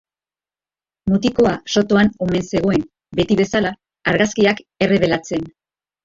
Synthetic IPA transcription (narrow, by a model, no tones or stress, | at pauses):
mut̪iko̞aso̞t̪o̞ano̞me̞nse̞ɣ̞o̞e̞n | be̞t̪iβe̞sala | aɾɣaskiake̞re̞β̞e̞lat͡se̞n